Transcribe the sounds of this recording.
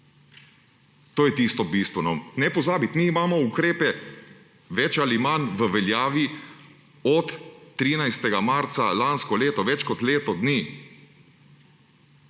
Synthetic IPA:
t̪oːjɛt̪ist̪ɔbist̪ʋɛnɔnɛpɔzaːbit̪miːmaːmɔukɾeːpɛ | ʋɛt͡ʃalimanʋəʋɛljaːʋi | ɔt̪ːɾiːnajst̪ɛɡamaɾt̪salanskɔleːt̪ɔʋɛt͡ʃkɔt̪leːt̪ɔd̪niː

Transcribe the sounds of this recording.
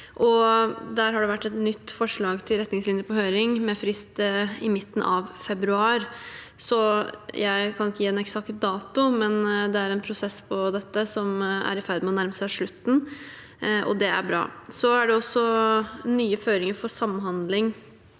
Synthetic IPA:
ʔɔd̪æːɾɦɑɖɛʋæʈːɛt̪nʏt̪ːfɔʂɭɑːɡt̪ʰɪlɾɛt̪ːnɪŋslɪnjəpʰɔɦøːɾɪŋmɛfɾɪst̪ɪmɪt̪ːn̩ʔɑʋfɛbɾʉɑːɾ | sɔjʔæɪkʰɑnɪkːəjiːɛnɛksɑkt̪̚d̪ɑːt̪ʊmɛnd̪ɛæɾɛnpʰɾʊsɛspʰɔd̪ɛt̪ːəsɔmæ̰ɾɪfæɾd̪mɛɔnæɾməsæɪɑʂɭʉt̪ːn̩ | ʔɔ̰d̪ɛæ̰ɾbɾɑ̰ːsɔæɖɛɔsːɔnyːəføːɾɪŋəɾfɔsɑmːɦɑnd̪lɪŋ

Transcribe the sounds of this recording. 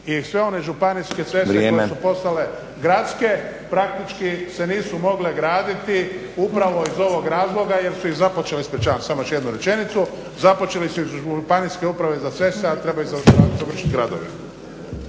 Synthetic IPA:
isʋe̞o̞ne̞ʒupaniske̞t̪sʋe̞seekːoemesupo̞st̪ale̞ | ɡɾat̪ske̞ | pɾak̚t̪it͡ʃkise̞niːsumo̞ɡle̞ɡɾaːd̪it̪i | upɾaʋo̞izo̞ʋo̞ɡɾaːzlˠo̞ɡaje̞ɾsuizapo̞t͡ʃe̞lispɾet͡ʃaansamojoʃjed̪nuɾe̞t͡ʃe̞nit̪su | zapo̞t͡ʃe̞lisuizʒuupaniske̞upɾaʋezat̪sʋe̞st̪eat̪ɾe̞bajuzaazaʋr̩ʃi̥t̪ɡɾad̪o̰ʋḭ

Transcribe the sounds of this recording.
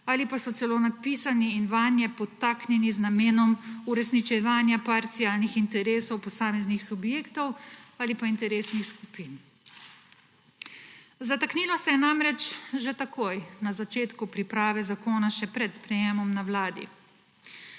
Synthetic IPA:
aːlipasɔt̪sɛloːnapiːsaniːnʋanjɛpɔt̪aːknjɛniznameːnɔmuɾɛsnit͡ʃɛʋaːnjapaɾt̪siaːlnixint̪ɛɾeːsɔwpɔsaːmɛznixsubjeːkt̪ɔwaːlipaint̪ɛɾeːsnixskupin | zat̪aknilɔsɛjɛnamɾɛt͡ʃʒet̪akʰoːjnazat͡ʃeːt̪kupɾipɾaːʋɛzakoːnaʃɛpɾɛt̪spɾɛjeːmɔmnawlaːd̪ḭ

